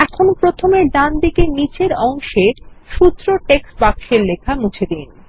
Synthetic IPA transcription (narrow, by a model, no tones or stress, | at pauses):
ɛkʰonopɾot̪ʰomeɾɖ̪and̪ikenit͡ɕeɾɔŋʃeɾʃut̪ːɾoʈeksbakʃeɾlekʰamut͡ɕʰed̪in